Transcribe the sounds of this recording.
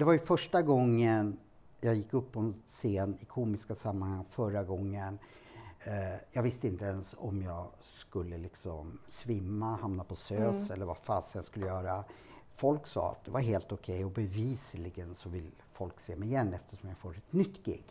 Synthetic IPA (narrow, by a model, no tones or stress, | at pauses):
d̪ɛvajɵfœʂʈaɡɔŋːən | jɑːɡjɪkːɵpːɔɛnseːnɪkʰuːmɪskasamːanhaŋːfœɾaɡɔŋːən | jɑːɡvɪst̪əɪnt̪əɛnsɔ̰mjɑːɡ | skɵlːəlɪksɔmsvɪmːahamnapʰɔsøːsɛlːəɾvafaːsaskɵlːəjœːɾa | fɔlksɑ̰ːa̰t̪̚d̪ɛvaɾɦeːlt̪ʊkʰɛjɔbɛviːsəlɪɡənsɔvɪlː | fɔlkseːmɛɪjɛnːɛft̪əʂɔmjafoːɾɛt̪nʏt̪ːɡɪ̰ɡː